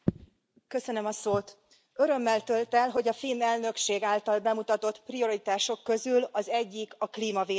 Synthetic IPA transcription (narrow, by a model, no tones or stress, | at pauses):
kø̞sø̞nø̞mɒsoːt̪ | øɾø̞mːɛlt̪ø̞lt̪ɛlɦo̞ɟɒfiːnɛlnø̞kʃeːɡaːlt̪ɒlbɛmut̪ɒt̪o̞t̪prio̞ɾit̪aːʃo̞kːø̞zylɒzɛɟːikɒkliːmɒveː